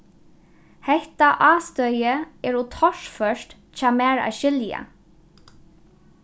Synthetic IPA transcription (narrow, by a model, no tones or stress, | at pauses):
hɛht̪aʔɑːst̪œʏəɛːɹuːt̪ʰɔʃfœʃt̪ | c͡çɑːmeːɹɑ̰ːʃʏljə̰